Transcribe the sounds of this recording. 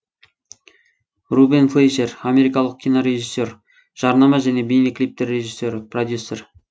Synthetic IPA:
rubinflejʃe̞ramʲe̞ɾikɑlˠəq̚kʲʰːijnoɾe̞ʒisːo̞r | ʒ̥ɑɾnɑmɑʒæne̞bejnoklip̚t̪ɪɾːe̞ʒisːe̞ɾɪprod̪jusːe̞r

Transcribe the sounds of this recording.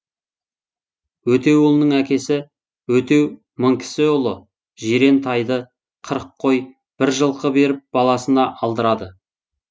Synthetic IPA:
wɵt̪e̞wolˠnəɴækʲe̞sɪ | wɵt̪e̞w | məɴkʲʰɪ̥sɪʊlˠə | ʒeɾe̞nt̪ʰɑjd̪ə | qʰəɾəqʰːo̞j | b̥ɪɾʒəlˠqʰəbe̞ɾɪp̚b̥ɑlˠɑsənɑʔɑlˠd̪əɾɑd̪ə

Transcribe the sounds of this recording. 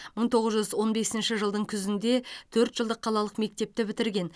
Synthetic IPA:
məɴt̪ʰo̞ʁəzʒʏzwo̞nbe̞sɪnʃɪʒəlˠd̪əɴkʲʰʏzɪnd̪e̞t̪ʰɵɾt̪ʒəlˠd̪əqʰːɑlˠɑlˠəqme̞k̚t̪e̞p̚t̪ɪbɪt̪ɪɾɡʲe̞n

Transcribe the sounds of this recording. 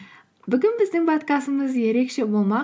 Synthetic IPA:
bʏɡʲɪnbɪzd̪ɪŋpʰot̪kɑsəməzje̞ɾe̞kʃe̞bo̞lˠmɑ

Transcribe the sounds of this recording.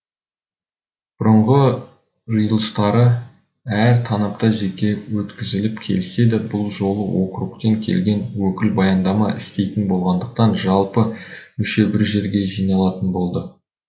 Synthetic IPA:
b̥ʊɾəɴʁə | rijlˠəst̪ɑɾə | æɾt̪ʰɑnɑp̚t̪ɑʒe̞kʲe̞wɵt̪kʲɪzɪlɪpkʲʰe̞̰lɪse̞d̪ɪbʊlˠʒo̞lˠəwo̞qɾuq̚t̪eŋkʲʰe̞̰lɡʲe̞nwɵkʲɪlbɑjɑnd̪ɑmɑɪ̰st̪e̞jt̪ɪnbo̞lˠʁɑnd̪əq̚t̪ɑnʒɑlˠpəmʏʃe̞bɪɾʒe̞ɾɡʲe̞ʒijnɑlˠɑt̪ənbo̞lˠd̪ə

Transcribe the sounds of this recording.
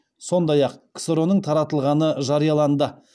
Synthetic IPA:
so̞nd̪ɑjɑqkʲʰsɾo̞nəɴt̪ʰɑɾɑt̪əlˠʁɑnəʒɑɾijɑlˠɑnd̪ə

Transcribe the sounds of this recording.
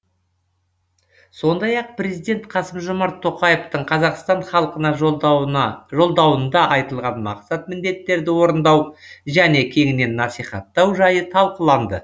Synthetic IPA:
so̞nd̪ɑjɑq̚pre̞zijd̪e̞nt̪qʰɑsəmʒʊmɑɾt̪ʰːo̞qɑjeft̪əɴqʰɑzɑqst̪ɑɴχɑlˠəqənɑ | ʒo̞lˠd̪ɑwənd̪ɑʔɑjt̪əlˠʁɑnmɑ̰qsɑt̪̚mɪnd̪e̞t̪ːe̞ɾd̪ɪwo̞ɾənd̪ɑwʒæne̞kʲʰe̞ŋɪne̞nːɑsijχɑ̰t̪ːɑwʒɑjət̪ʰɑlˠqəlˠɑnd̪ə̰

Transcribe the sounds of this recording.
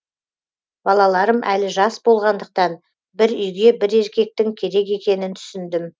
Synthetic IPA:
b̥ɑlˠɑlˠɑɾəmʔælɪʒɑsbo̞lˠʁɑnd̪əq̚t̪ɑn | bɪɾʏjɡʲe̞bɪɾe̞ɾkʲe̞k̚t̪ɪŋkʲʰe̞ɾe̞ke̞kʲe̞nɪnt̪ʰʏ̥sɪnd̪ɪm

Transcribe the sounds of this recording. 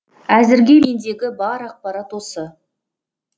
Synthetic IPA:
æzɪɾɡʲe̞me̞nd̪e̞ɡʲɪbɑɾɑq̚pɑɾɑt̪wo̞sə

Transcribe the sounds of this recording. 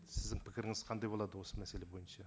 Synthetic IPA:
sɪzd̪ɪŋpʰɪkʲɪɾɪŋɪz̥qʰɑnd̪ɑjbo̞lˠɑd̪əwo̞səmæselebo̞jənʃɑ

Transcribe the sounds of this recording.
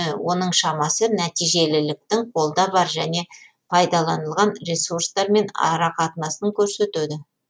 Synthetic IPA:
wʔo̞nəɴʃɑmɑsənæt̪ijʒe̞lɪlɪk̚t̪ɪŋqʰo̞lˠd̪ɑbɑɾʒæne̞ | pʰɑjd̪ɑlˠɑnəlˠʁɑnɾʲesurst̪ɑɾme̞nɑ̰ɾɑqʰɑt̪ənɑsəŋkʲʰɵɾse̞t̪ʉd̪ɪ

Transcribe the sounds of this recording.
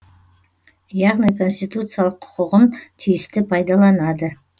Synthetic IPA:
jɑʁnijkʰo̞nsʲt̪ijt̪ut̪sɨjalˠəqʰʊ̥qʊʁənt̪ʰijɪst̪ɪpʰɑjd̪ɑlˠɑnɑd̪ə

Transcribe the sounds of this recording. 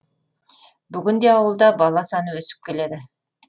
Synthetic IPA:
byɡynd̪ejɑwɯlˠd̪ɑbɑlˠɑsɑnɯøsy̥p̚ke̞le̞d̪ɪ

